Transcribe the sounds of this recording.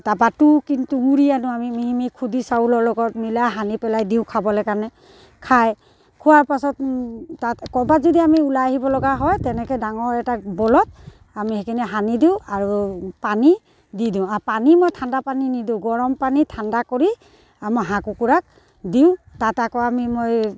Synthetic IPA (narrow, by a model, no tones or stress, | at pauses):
tabatukintuŋuɹianʊ̃amimiɦimikʰudisaulɔlɔɡɔt̚milajɦanipɛlajdiʊ̃kʰabɔlɛkanɛ | kʰaj | kʰʊwaɹpasɔt̚takɔbazɔdiamiulajaɦibɔlɔɡaɦɔjtɛnɛkɔdaŋɔɹɛtabɔlɔt̚ | amihɛkinɛɦanidiʊ̃aɹupani | didʊ̃apanimojtʰandapaninidũɡɔɹɔmpanitʰandakoɹi | amɔɦãkukuɹak̚ | diʊ̃tatakɔamimoj